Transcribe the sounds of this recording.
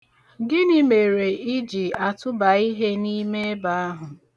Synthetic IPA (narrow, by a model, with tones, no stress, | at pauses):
ɡɪ˦nɪ˦me˨ɾe˨i˦d͡ʒi˨a˨tʊ˦ba˨i˦ɦe˦ni˦me˦ba˨a˦ɦʊ˨